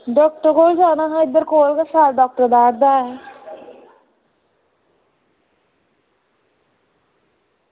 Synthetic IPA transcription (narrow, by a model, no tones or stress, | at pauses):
ɖɔːk̚ʈəɾɡoːld͡ʒaːnaɦaɪd̪ːəɾkoːlkasaːlɖɔːk̚ʈəɾb̪aːɾd̪aːɛ